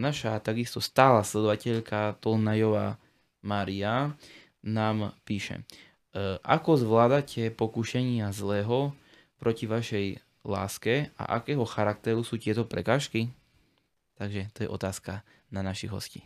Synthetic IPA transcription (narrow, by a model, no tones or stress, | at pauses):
naʃat̪aɡist̪ɔst̪aːlaːslɛd̪ɔʋacɛʎkʰat̪ɔlnajɔʋaː | maːɾia | naːmpiːʃɛ̰ | ʔakɔzʋlaːd̪acʰɛpɔkuʃɛɲɪazlɛːɦɔ | pɾɔciʋaʃɛj | la̰ːskɛa̰ʔa̰kɛːɦɔxaɾak̚t̪ɛɾusuːc̪ɪɛt̪ɔpɾɛ̰kaːʃki | t̪aɡʒɛt̪ɔjɛ̰ʔɔt̪aːska | nanaʃiɣɦɔ̰scḭː